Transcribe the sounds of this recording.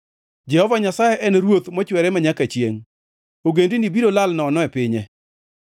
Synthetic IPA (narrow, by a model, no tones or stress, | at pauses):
d͡ʒɛhɔvaɲasajɛʔɛnɾwot̪mɔt͡ʃwɛɾɛmaɲakat͡ʃjḛŋ | oɡendinibiɾolalnɔːnɔɛpɪɲɛ